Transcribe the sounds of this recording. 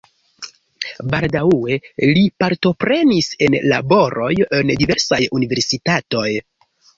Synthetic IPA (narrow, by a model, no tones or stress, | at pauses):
baldaue̞lipaɾto̞pɾe̞nisenla̰bo̞ɾo̞jendive̞ɾsajunive̞ɾsitato̞j